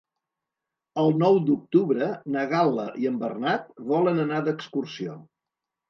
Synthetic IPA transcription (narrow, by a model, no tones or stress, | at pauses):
əlˠnɔwd̪uk̚t̪uβɾənəɣalˠəʔiəmbərnat̪βɔlənənad̪əkskursio